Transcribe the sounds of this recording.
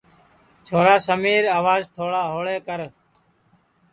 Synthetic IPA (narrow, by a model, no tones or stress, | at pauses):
t͡ʃʰoːɾaːsəmiːɾaːʋaːzt̪ʰoːɽaːɦoːɭeːkəɾ